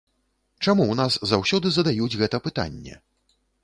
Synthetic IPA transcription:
t͡ʂamuwnaszawsʲɔd̪ɨzɐd̪ajud͡zʲɣɛt̪ɐpɨt̪a̰nʲːɛ̰

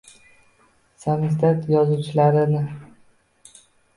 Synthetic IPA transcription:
samɪzd̪at̪jɒzuwt͡ʃʰɪlaɾɪnɪ

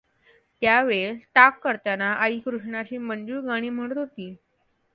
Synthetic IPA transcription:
t̪jaʋeɭʈakːəɾt̪anaʔəikɾuʂɳat͡ɕiːmənd͡ʑuːɾɡaɽ̃iːm̤əɽ̃ət̪ɦot̪iː

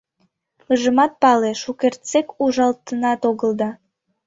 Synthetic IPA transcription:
əʒəmɑt̪̚pɑleʃukert̪t͡sekuʒɑlt̪ənɑt̪oɣəld̪ɑ

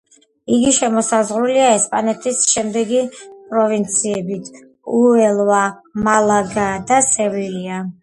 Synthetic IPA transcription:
iɡiʃɛmɔsazʁɾuliaɛspʼanɛt̪ʰisʃɛmd̪ɛɡipʼɾɔvint̪sʰiɛbit̪ʰ | uɛlˠvamalˠaɡad̪asɛvilia

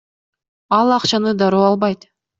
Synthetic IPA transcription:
ɑlˠɑqt͡ʃɑnɯd̪ɑɾoːɑlˠbɑjt̪

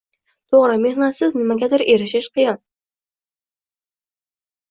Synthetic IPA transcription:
t̪ʰoʁɾɪme̞hnat̪sɪznɪmaɡʲad̪ɪɾʔeɾɪʃɪʃqʰɨjɒn

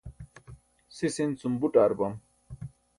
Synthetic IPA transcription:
sisint͡sumbuʈaːɾbɐm

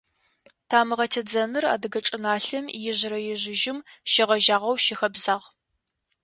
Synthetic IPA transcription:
tʰaːmɨʁɐtʰɐd͡zɐnɨra̰ːdɨɡɐt͡ʃʼɪnaːɬɐmjɪʑɪɾɐjɪʑɪʒɪm | ʃɪʁɐʒaːʁɐwʃɪxɐbzaːʁ

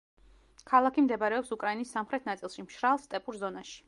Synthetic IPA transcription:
kʰalˠakʰimd̪ɛbaɾɛɔpsukʼɾainisːamχɾɛt̪ʰnat̪sʼilˠʃimʃɾalˠst̪ʼɛpʼuɾzɔnaʃi̥

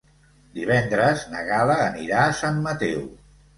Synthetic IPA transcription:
d̪iβ̞ɛnd̪ɾəznəɣaləːniɾaːsamːət̪ɛw

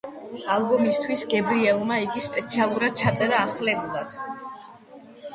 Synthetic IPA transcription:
alˠbɔmist̪ʰwisɡɛbɾiɛlˠmaiɡispʼɛt̪sʰialˠuɾad̪̥̚t͡ʃʰat̪sʼɛɾaːχlɛbulad̪̥

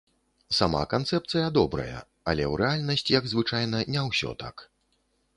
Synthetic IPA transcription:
sama̰kant̪sɛp̚t̪sɨjɐd̪ɔbɾɐ̰jɐ̰ | ɐlʲɛwɾɛalʲnɐsʲt͡sʲjɐɡzvɨt͡ʂajn̪ɐnʲɛwsʲɔ̰t̪a̰k

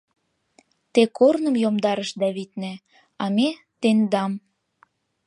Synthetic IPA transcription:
t̪ekornə̆mjomd̪ɑɾəʃd̪ɑβit̪næ | ɑme | t̪end̪ɑm

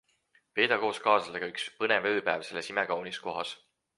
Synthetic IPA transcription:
pe̞ːd̪ɑko̞ːskɑːsɑleɡ̥ɑykspɤnevøːpæːvselesimekɑwnisko̞ɦɑs

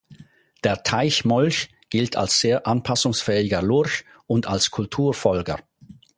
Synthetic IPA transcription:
d̥eːɐtʰaɪçmɔlç | ɡ̥ɪltʰa̰lsz̥eːɐʔanpʰasʊŋsfɛːɪɡəlʊɐç | ʊntalskʰʊltʰuːɐfɔlɡə̰

